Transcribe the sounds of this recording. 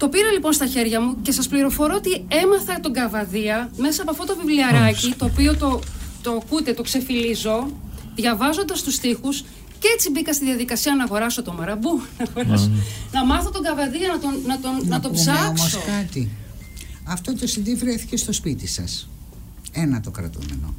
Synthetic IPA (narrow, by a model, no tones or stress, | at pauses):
t̪o̞piɾɐlipo̞nst̪ɐçe̞ɾʝɐmuce̞sɐspliɾo̞fo̞ɾo̞ot̪ie̞mɐθɐt̪oɡɐvɐðiɐmesɐːpoɐft̪ot̪ovivliɐɾɐcit̪o̞ːpio̞t̪o̞t̪okut̪e̞t̪o̞kse̞filizo̞ðʝɐvɐzo̞nd̪ɐst̪ust̪ixus | ceet͡sibikɐst̪iðiɐðikɐsiɐnɐɣo̞ɾɐso̞t̪omɐɾɐbunɐɣo̞ɾɐsonɐmɐθot̪oɡɐvɐðiɐnɐt̪onɐt̪onnɐt̪obzzɐkssokɐt̪i | ɐft̪ot̪osind̪ivɾeθi̥cest̪ospit̪isɐ̰s | enɐt̪okɾɐ̰t̪ṵmḛno̰